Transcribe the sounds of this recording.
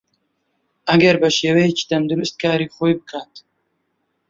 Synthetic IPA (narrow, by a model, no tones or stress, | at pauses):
ɐɡɐɾbaʃewet͡ʃi̥t̪ɐnd̪uɾʊst̪̚kaːɾixojbəkʰaːt̪